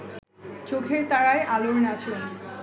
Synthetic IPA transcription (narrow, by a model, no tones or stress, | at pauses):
t͡ɕokʰeɾt̪aɾaeʔaloɾnat͡ɕʰon